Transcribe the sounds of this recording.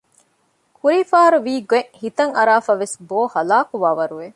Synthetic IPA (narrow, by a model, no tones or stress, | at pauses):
kʰuɾiːfaːɐɾuʋiːɡeʔhit̪ɐŋɐɾaːfɐʋesboːhɐlaːkuʋaːʋɐɾuʋe